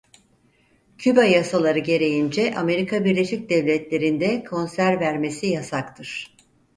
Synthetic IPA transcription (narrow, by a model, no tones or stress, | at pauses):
cʰybajasalˠaɾɯɟe̞ɾe̞jind͡ʒɛʔame̞ɾikʰabiɾlʲe̞ʃic̚d̪ɛvlʲɛt̪lʲe̞ɾind̪ɛkʰo̞nsæɾvæɾme̞sijasakt̪ʰɯɾ̥